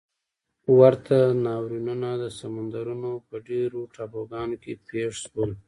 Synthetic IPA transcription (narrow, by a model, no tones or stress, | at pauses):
waɾt̪ʰanɑwɾinunad̪əsamand̪aɾunopəɖeɾoʈɑboɡɑnokepeʂʃwəl